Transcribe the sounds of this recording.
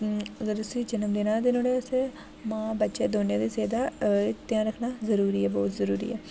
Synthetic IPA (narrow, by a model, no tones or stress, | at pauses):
əɡəɾʊsiːd͡ʒənəmd̪enãːd̪eːnõːɽeːse | mãːbətːʃeːd̪oːnjãːd̪eːseːd̪aːt̪ɪjãːɾəkʰnaːzəɾuːɾiːɛːbɔːt̪zəɾuːɾḭːɛː